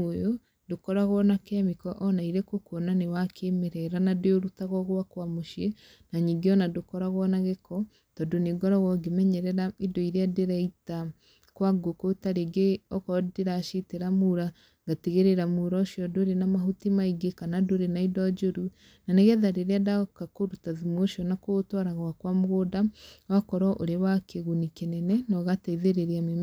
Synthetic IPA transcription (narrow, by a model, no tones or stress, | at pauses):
ojo | dokɔɾaɣwɔnakeamikɔʔɔnaiɾekokonanewakʰemeɾɛɾanadojoɾutaɣɔɣwakwamoʃje | naɲiːŋɡeɔnadokɔɾaɣwɔnaɣekɔ | tɔdoneɡɔɾɔɣɔɡemɛɲɛɾɛɾaedoiɾeadeɾaita | kwaɡokotaɾeɡeɔkɔdeɾaʃiteɾamuɾa | ŋɡateɣeɾeɾamuɾɔoʃjɔdoɾenamaɦutimaiɡekanadoɾenaidɔd͡ʒoɾu | naneɣɛðaɾeɾeadakakoɾutaðumoʃiɔnakotɔɾaɣwakwamoɣoːdawakɔɾɔʔoɾewakʰeɣunikenɛnɛnɔɣataiðeɾeɾeame